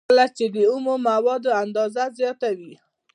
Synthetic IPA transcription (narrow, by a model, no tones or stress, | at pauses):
lat͡ʃed̪əumomawɑd̪oand̪ɑzazjɑt̪awi